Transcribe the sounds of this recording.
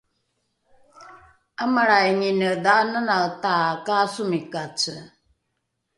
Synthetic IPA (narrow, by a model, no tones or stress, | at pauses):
amaɾajŋinədanənatakasumikat͡sə